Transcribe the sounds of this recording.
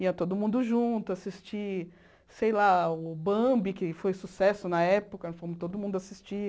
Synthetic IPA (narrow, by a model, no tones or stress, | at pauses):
iɐt̪od̪ʊmũnd̪ʊʒũt̪ʊasist͡ʃi | sejlaʊbɐ̃bikɪfojsusɛsʊnɐɛpʊkɐfõmʊt̪od̪ʊmũd̪ʊasist͡ʃi